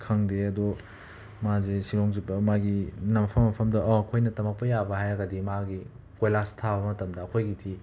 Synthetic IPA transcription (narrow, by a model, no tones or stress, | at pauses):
kʰɐŋdeɐdɔ | mazesiɾɔŋzibɐmaɡinɐmɐpʰɐmːɐpʰɐmdɐʔɔɐkʰojnɐtɐmɐk̚pɐjabɐɦajɾɐɡɐdimaɡi | kojlastʰabɐmɐtɐmdɐːkʰojɡitʰi